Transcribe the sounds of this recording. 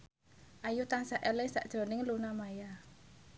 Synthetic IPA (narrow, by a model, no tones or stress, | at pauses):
ʔajut̪aŋsaʔɛlɪŋsa̰ʔd̥ʒ̥ɾo̤nɪŋlunamaja